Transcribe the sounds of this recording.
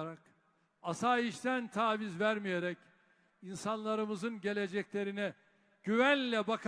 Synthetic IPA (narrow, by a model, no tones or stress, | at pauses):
ɾak | asaːiʃt̪ʰænt̪ʰaːvizvæɾmijeɾɛc | insanlˠaɾɯmɯzɯnɟe̞lʲe̞d͡ʒɛclʲe̞ɾinɛ | ɟ̥yvænlʲɛbakʰ